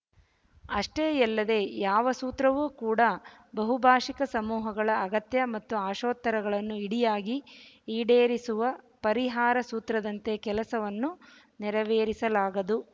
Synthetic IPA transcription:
ɐʂʈeːɛlːɐd̪e̞ːjaːʋɐsuːt̪ɾɐʋuːkuːɽɐbɐɦubʱaːʂikɐsɐmuːɦɐɡɐɭɐːɡɐt̪jɐmɐt̪ːuaːʃoːt̪ːɐɾɐɡɐɭɐnːuiɽijaːɡi | iːɽeːɾisuʋɐ | pɐɾiɦaːɾɐsuːt̪ɾɐd̪ɐnt̪e̞kɛlɐsɐʋɐnːu | nɛɾɐʋeːɾisɐlaːɡɐd̪u

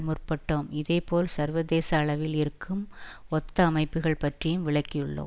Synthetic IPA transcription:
mʊrpɐʈːoːmɪðeɪpoːlsɐɾʋɐðeːsɐːɭɐʋɪlɪɾɯkːɯmɔt̪ːɐɐmɐɪpːɯɣɐɭpɐʈrijɯmʋɪɭɐkːɪjɯɭːo̰ːm

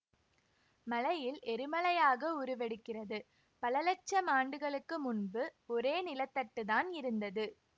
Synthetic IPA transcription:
mɐlɐjɪlʔɛɾɯmɐlɐjaːɣɐʊɾɯʋɛɽɯkːɪrɐðɯ | pɐlɐlɐt͡ʃːɐmaːɳɖɯɣɐɭɯkːɯmʊnbɯɔɾeːnɪlɐt̪ːɐʈːɯðaːnɪɾɯnd̪ɐðɯ

